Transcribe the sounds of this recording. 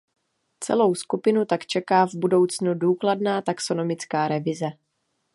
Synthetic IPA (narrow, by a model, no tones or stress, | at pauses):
t͡sɛ̰lo̞wskupɪnut̪akt͡ʃɛkaːvbudo̞wt͡snuduːkladnaːt̪akso̞no̞mɪt͡skaːɾɛvɪzɛ